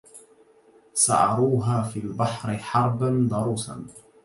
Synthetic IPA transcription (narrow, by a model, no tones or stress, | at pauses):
sa̰ʕɑ̰ɾˤuːɦaːfiːlbɑħɾɪħɑɾˤband̪ˤɑɾˤuːsa̰n